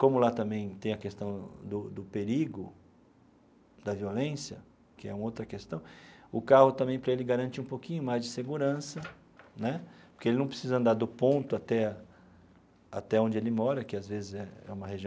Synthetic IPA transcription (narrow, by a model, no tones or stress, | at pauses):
kõmʊlat̪ɐ̃mbẽj̃t̪ẽj̃ɐkest̪ɐ̃w̃d̪ʊd̪ʊpeɾiɡʊ | d̪ɐviolẽsjɐ | kɪɛ̰ũmɐowt̪ɾɐkest̪ɐ̃w̃ʊkahʊt̪ɐ̃mbẽj̃pɾɐelɪɡaɾɐ̃nt͡ʃɪũpokĩɲʊmajzd͡ʒɪseɡuɾɐ̃sɐ | nɛpʊɾkeelɪnɐ̃w̃pɾɪsizɐ̃nd̪aɾd̪ʊpõnt̪ʊat̪ɛ | a̰t̪ɛõd͡ʒɪelɪmɔɾɐkɪazvezɪzɛɛ̰ũmɐheʒĩ